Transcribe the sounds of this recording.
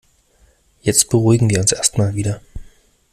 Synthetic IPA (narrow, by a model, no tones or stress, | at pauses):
jɛt͡st̚b̥əʁuɪɡŋ̩viːɐʊnsʔeɐstmaːlviːdɐ